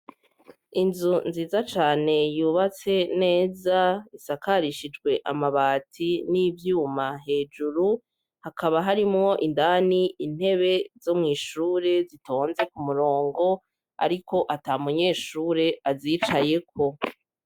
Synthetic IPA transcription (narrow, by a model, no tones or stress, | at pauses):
inzunziːzat͡ʃaːne̞juːβat͡se̞ne̞ːzaisakaɾiʃid͡ʒɡwe̞ʔamaβaːtʰinivjuːmaɦe̞ːd͡ʒuɾu | hakʰaβaɦaɾimŋo̞ʔindaːniʔin̥he̞βe̞zo̞mŋiːʃuːɾe̞zitʰo̞ːnze̞kumuɾo̞ːŋɡo̞ | a̰ɾikʰo̞ʔatamuɲe̞ːʃuːɾe̞aziːt͡ʃaje̞k̚ʰo̞